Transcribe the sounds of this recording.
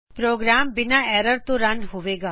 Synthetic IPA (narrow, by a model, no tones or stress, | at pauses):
pɾoːɡɾaːmbɪnaɛːɾəɾt̪õɾɐ̃nɖɦʊʋeːɡaː